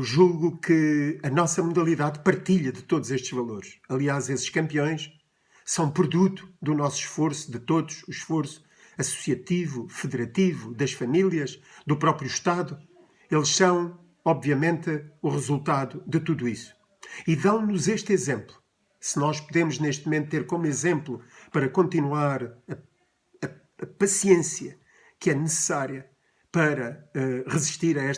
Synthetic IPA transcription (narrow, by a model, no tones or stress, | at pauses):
wʒuɣukɨɐnɔsɐmuðɐlˠiðaðpɐɾt̪iʎɐðɨt̪oðuzeʃt̪ʒ̥vɐlˠoɾʃɐlˠiazesʃkɐ̃mpiõj̃ʃ | sɐ̃w̃pɾuðut̪u̥d̪unɔsu̥ʃfoɾsu̥ðɨt̪oðuʃuʃfoɾsu̥ | ɐsu̥siɐt̪ivufɨðɨɾɐt̪ivuðɐʃfɐmilˠiɐʃd̪upɾɔpɾjuʃt̪aðu | elˠʃsɐ̃w̃ | ɔbviɐmẽnt̪uʁɨzulˠt̪aðud̪ɨt̪uðuisu̥ | iðɐ̃w̃nuzeʃt̪izẽmplˠu | sɨnɔʃpuðemuʒneʃt̪mumẽnt̪t̪ːeɾkomuizẽmplˠupɐɾɐkõnt̪inwaɾɐ | ɐ | ɐpɐsiẽsjɐ | kɛnɨsɨ̥saɾijɐ | pɐɾɐɛʁɨziʃt̪iɾɐɛʃ